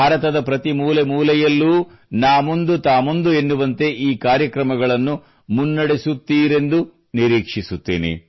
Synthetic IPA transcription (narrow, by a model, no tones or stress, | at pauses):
bʱaːɾɐt̪ɐd̪ɐpɾɐt̪imuːlemuːlɛjɐlːuː | naːmond̪ut̪aːmond̪ue̞nːuʋɐnt̪e̞ʔiːkaːɾjɐkɾɐmɐɡɐɭɐnːu | munːɐɽesut̪ːiːɾe̞nd̪u | niɾiːkʂisut̪ːḛːnḛ